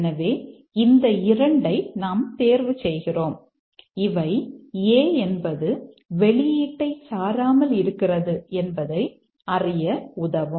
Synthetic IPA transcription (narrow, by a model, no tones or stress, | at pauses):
nɐʋeː | ɪnd̪ɐɪɾɐɳɖɐɪnaːmt̪eːɾʋɯsɛjɣɪroːm | ɪʋɐɪeːɛnbɐðɯ | ʋɛɭɪjiːʈːɐɪsaːɾaːmɐlɪɾɯkːɪrɐðɯɛnbɐðɐɪ | ɐrɪjɐʊðɐʋɯ